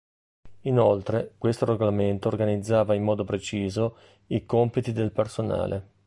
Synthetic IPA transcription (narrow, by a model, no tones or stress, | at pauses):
inolt̪ɾekwest̪oɾeɡolament̪oːrɡanid̪zːaːvaimːɔːd̪opɾet͡ʃiːzo | ikompit̪id̪elpersona̰ːlʔe